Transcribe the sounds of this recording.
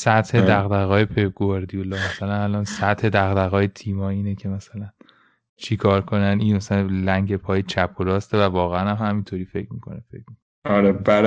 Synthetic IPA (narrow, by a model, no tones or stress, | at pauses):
sæt̪hed̪æɣd̪æɣɒːjepʰeb̚ɡoɾd̪ijolɒːmæsælænælɒːnsæt̪he̞d̪æɣd̪æɣɒːjet̪ʰiːmɒːiːnecʰemæsælæn | t͡ʃʰikʰɒːɾkʰo̞næniːnmæsælælæŋɟe̞pʰɒːjet͡ʃʰæpʰːoɾɒːst̪evævɒːɣeænæmhæmint̪ʰoːɾiːfe̞cʰmiːkʰo̰nefḛcmiko | ɒɾebæɾ